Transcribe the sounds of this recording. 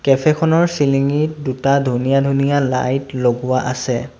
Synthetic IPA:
kɛpʰɛkʰɔnɔɹsiliŋidutadʱunijadʱunijala̰jtloɡʊwaʔasɛ

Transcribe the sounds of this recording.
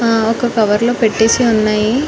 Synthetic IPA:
aːɔkɐkɐʋɐɾloːpeʈːe̞ːsiunːaːji

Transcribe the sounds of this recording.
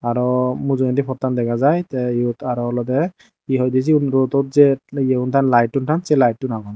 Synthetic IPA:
aɹɔmuzɔɛntipʰɔtːandɛkʰazajtɛjutʰaɹɔɔlɔtɛ | biɦɔjdis̬inɹotɔt̚zɛɛuntʰanlajt̚ːuntʰansɛlajtːunaɡɔn

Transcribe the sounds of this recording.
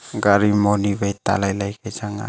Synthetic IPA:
ɡaɾimoniβejt̪a̰lajlajkad͡ʒaŋa̰

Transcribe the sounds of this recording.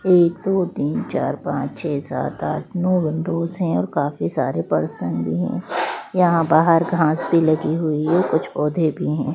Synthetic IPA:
eːkd̪oːt̪iːnt͡ʃa̰ːɾpã̰ːt͡ʃt͡ʃʰɛːsa̰ːt̪a̰ːʈʰnɔːʋɪnɖoːzɦɛ̃ɔːɾkaːfisaːɾepɐ̰ɾsə̃nd̪bʱiɦɛ̰̃ːjɐɦãbaːɦəɾɡʱãːsbʱilɐɡiɦʊiɔːɾkʊt͡ʃʰpɔːd̪ʱebʱiɦɛ̃ː

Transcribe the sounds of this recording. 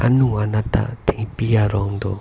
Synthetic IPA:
a̰nuanat̪a̰t̪iŋpijaɾɔŋd̪o

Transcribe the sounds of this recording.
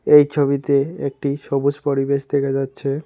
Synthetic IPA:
ejt͡ɕʰobit̪eek̚ʈiʃɔbod͡ʑpoɾibeʃd̪ekʰad͡ʑatːɕʰe

